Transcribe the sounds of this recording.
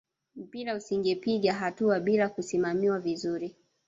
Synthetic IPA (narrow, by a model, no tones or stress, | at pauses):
m̩piɾausiŋɡɛpiɠaɦatuaɓilakusimamiwavizuɾi